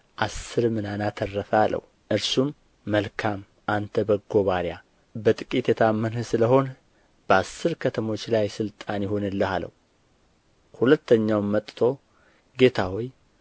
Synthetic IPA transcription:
ʔasːɨɾmɨnanat̪ʰərːəfalə̰h | ʔɨɾsumː | əlkʰam | ʔant̪ʰəbəɡo̞βaɾja | bət̪ʼɨkʼit̪jɛt̪ʰamːənhɨsɨləɦo̞n | b̥əasːɨɾkʰət̪ʰəmo̞t͡ʃːlajsɨlt̪ʼanjɪho̞nɨlːəhalə̰wu | hulət̪ʰːəɲːawmmət̪ʼt̪ʰo̞ | ɡe̞t̪ʰawoj

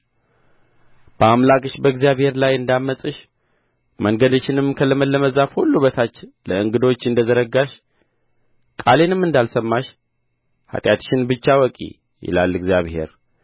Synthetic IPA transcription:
b̥əamlakʼɨʃbəɡzijaβhe̞ɾlajɨnd̪amːəsʼɨʃ | məŋɡəd̪əʃɪnɨmkʰələməlːəməzafhulːuβət̪ʰat͡ʃːləɨŋɡɨd̪o̞t͡ʃːɨnd̪əzəɾəɡaʃ | kʼale̞nɨmːɨnd̪alsəmːaʃ | ha̰t̪ʼjat̪ʃɪnbɨt͡ʃːawɔkʼḭ | jɪ̰la̰lːɨɡzijaβhe̞̰ɾ

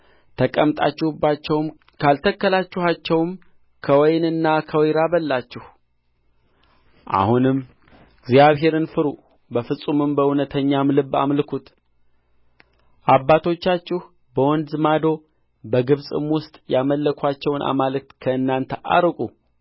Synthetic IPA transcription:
t̪ʰəkʼəmt̪ʼa̰t͡ʃːɪhubːat͡ʃːɛwm | kʰalt̪ʰəkːəlat͡ʃːuhat͡ʃːɛwm | kʰəwɔjnɨnːakʰəwɔjɾabəlːat͡ʃːɪh | ʔa̰hunɨm | ɡzjaβɦe̞ɾɨnfɨɾu | bəfɨsʼumɨmbəwunət̪ʰəɲːamlɨbːa̰mlɨkʰut̪ | ʔabːat̪ʰo̞t͡ʃːat͡ʃːɪh | bəwɔnd̪zɨmad̪o̞ | bəɡɨβsʼɨ̰mwʊst̪ʼjaməlːəkʰʷat͡ʃːɛwnʔa̰malɨk̚t̪kʰəɨnːant̪ʰəʔa̰ɾkʼu

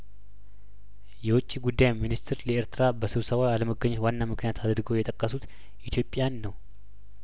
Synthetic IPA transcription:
jɛwʊt͡ʃʼːiɡud̪ːajminist̪ʰɾləeɾt̪ʰɨɾabəsɨβsəβaaləməɡəɲːɛt̪wanːamɨknijat̪ʰad̪ɾɨɡəwjɛt̪ʼəkʼːəsut̪ | ʔit̪ʰjo̞pʼjanːəw

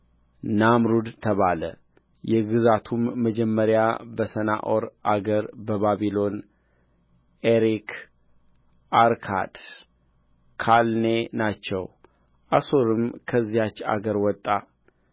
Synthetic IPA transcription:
namɾud̪t̪ʰəβalə̰ | jɛɡɨzat̪ʰumːəd͡ʒɛmːəɾjabəsəna̰ʔoɾʔaɡəɾbəβaβilo̞n | eɾik | aɾkʰa̰d̪̥ | kʰalnenat͡ʃːɛw | ʔaso̞ɾɨmkʰəzːijat͡ʃːa̰ɡəɾwɔt̪ʼːa

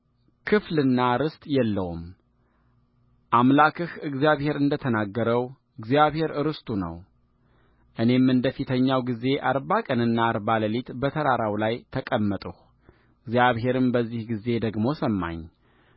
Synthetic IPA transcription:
kʰɨflɨnːaɾɨst̪ʼjɛlːəwum | ʔamlakʰɨhɨɡzijaβhe̞ɾɨnd̪ət̪ʰənaɡːəɾəw | ɨɡzijaβhe̞ɾɨɾɨst̪ʼunə̰w | ʔɨne̞mːɨnd̪əfit̪ʰəɲːawɡize̞ʔaɾbakʼənɨnːaɾbaləlit̪bət̪ʰəɾaɾawlajt̪ʰəkʼəmːət̪ʼuh | ɨɡzijaβɦe̞ɾɨmbəzːihɡize̞d̪əɡmo̞səmːa̰ɲː

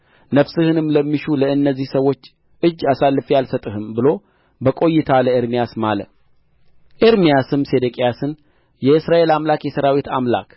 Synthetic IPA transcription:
nəfsɨhɨnɨmːləmːiʃuləɨnːəzːihsəwo̞t͡ʃː | ʔɨd͡ʒːasalːɨfjalsət̪ʼɨhɨmbɨlo̞ | bəkʼo̞jːɪt̪ʰaləeɾmijasmalə̰t̪ | ʔeɾmijasɨmse̞d̪əkʼejasɨn | jɛɨsɾaʔe̞lamlakjɛsəɾawit̪ʰamla̰kʰ

